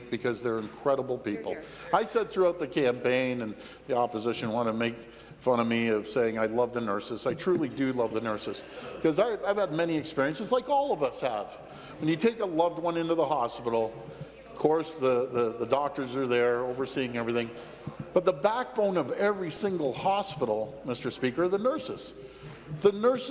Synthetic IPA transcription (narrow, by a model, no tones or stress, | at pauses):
k̚b̥ɨkʰʌzðə˞ɨ̃nkʰɹ̥ɛɾəbl̩ˠpipl̩ˠ | aɪsɛd̪̚θɹʉaʊt̪̚ðɨkʰæ̃mpẽɪ̃nɨ̃n | ðiɑpəzɪʃɨ̃nwɑ̃nɨmeɪk | fʌ̃ɾ̃ʌmiʌv̥seɪɪ̃ŋaɪlʌvðɨnɜ˞sɨsaɪtʰɹ̥ʉlˠidɨlʌvðɨnɜ˞sɨskʌzaɪaɪv̥əd̚mɛniɨkspɪɹiɨ̃nsɨzlaɪkɔlˠʌvʌshəv̥ | wə̃njɨtʰeɪkəlʌvd̚wʌ̃nɪ̃ntʉðəhɑspɪɾl̩ˠ | ʌ̥kʰɔɹsðəðɨðədɔk̚tə˞zə˞ðə˞oʊvə˞siɪ̃ŋɛvɹiθɪ̃ŋ | b̥ʌt̪̚ðəbæk̚b̥õʊ̃nʌvɛvɹisɪ̃ŋɡl̩ˠhɑspɪɾl̩ˠmɪstə˞spikə˞ðɨnɜ˞sɨs | ðɨnɜ˞s